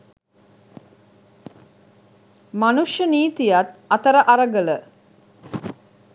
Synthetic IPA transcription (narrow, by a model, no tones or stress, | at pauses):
manuʂjəniːt̪ijat̪at̪əɾəʔaɾəɡələ